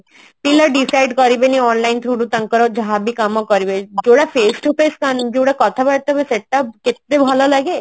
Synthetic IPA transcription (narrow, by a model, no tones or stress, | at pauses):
piləɾɖisaɪɖkɔɾibeniɔːnlaɪnt̪ʰɾuɽut̪ɐŋkəɾɔd͡ʒɔɦabʱikamɔkɔɾibed͡ʒoːɽapʰeːsʈupeskand͡ʒoːɽakɔt̪ʰabaɽt̪ɔbeseʈːapkɪt̪̚ɾebʱɔlɔlaɡe